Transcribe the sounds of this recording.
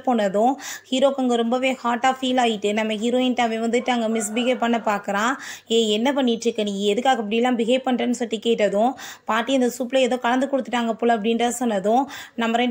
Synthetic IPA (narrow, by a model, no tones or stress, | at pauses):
poːnːɐðʊ̃hiːɾoːkːɐŋɡɐɾɔmbɐʋeːhaːʈːaːfiːlaːjɪʈːɯnɐmːɐɦiɾoːɪnʈɐʋẽʋɐnd̪ɯʈːɯɐŋɡɐmɪs̬bɪɣɐpɐɳːɐpaːɾkɯɾãːeːɛnːɐp̬ɐɳːɪʈɾɯkːɯnĩːɡɛðɯkːaːɣɐp̬ːɐɽɪjlːãːbɪɣɐpɐɳɾɐnɯsɔʈːikeːʈːɐðʊ̃paːʈːiɐnd̪ɐsuːpːlɐɛðõːkɐɻɐnd̪ɯkɔɽɯt̪ːɯʈːaːŋɡɐpʊɭːɐɐp̬ːɐɽɪnɾaːsɔnːɐðʊ̃nɐmːɐɾɛɳ